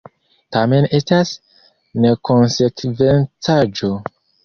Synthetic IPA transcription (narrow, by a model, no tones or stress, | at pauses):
tame̞ne̞stas | ne̞konse̞kve̞nt͡sad͡ʒo̞